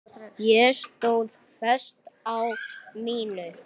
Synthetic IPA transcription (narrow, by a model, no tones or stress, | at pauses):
jɛst̪oːwðfœ̥st̪awmiːnʏ